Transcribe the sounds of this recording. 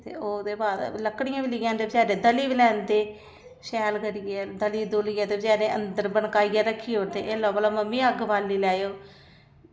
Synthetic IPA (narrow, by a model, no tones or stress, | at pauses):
t̪ḛːoːd̪eːbaːd̪ləkːɽɪjãːbɪlɪjãːnd̪eːbd͡ʒaːɾẽːd̪əliːbɪlɛːnd̪eː | ʃɛːlkəɾijɛːd̪əliːd̪oːliːjaːt̪eːbəd͡ʒaːɾẽːʔə̰nd̪əɾbəɳkaːijaːɾəkʰːiːoːɾd̪eːʔeːlɔːbəːlaːməmːĩːəɡbaːlːiːlɛːjoː